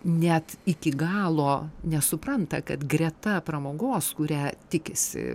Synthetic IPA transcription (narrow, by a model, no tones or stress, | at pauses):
nʲɛt̪ɪkʲɪɡɑːlˠoːnʲɛsʊpɾɐnt̪ɐ̰kɐt̪ɡrʲɛt̪ɐpɾɐmoːɡoːskʊɾʲæːt̪ʲɪkʲɪsʲɪ̰